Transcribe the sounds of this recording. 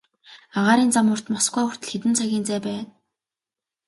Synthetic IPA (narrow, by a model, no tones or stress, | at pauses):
aʁaːɾiːnt͡samʊːr̥t̪mɔsɡæːʊr̥t̪ɘ̆ɮxet̪ɘ̆nt͡sʰaɣʲiːnt͡sæːpæːn